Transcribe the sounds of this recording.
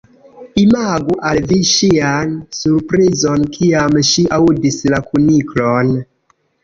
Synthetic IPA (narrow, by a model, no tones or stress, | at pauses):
imaɡuʔalviʃiansuɾpɾizonkʰiamʃiʔaudislakuniklon